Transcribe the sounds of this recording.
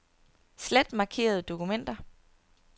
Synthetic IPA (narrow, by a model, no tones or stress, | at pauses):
sled̥mɑ̈kʰe̝̰ːɐð̞̩ˠd̥o̝kʰumen̰d̥ɐ